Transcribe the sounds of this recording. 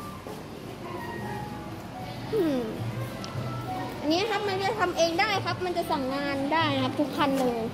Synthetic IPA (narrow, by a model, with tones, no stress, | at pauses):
ʔɯ˧˩ | ʔa˧nːi˦˥˨kʰa˦˥p̚ma˧nka˨˩t̪ʰa˧mʔeː˧ŋdaː˥˩jkʰa˦˥p̚ma˧nt͡ɕa˨˩sa˨˩˦ŋːaː˧ndaː˥˩jkʰa˦˥p̚t̪ʰu˦˥k̚ʰːa˧nlɤː˧j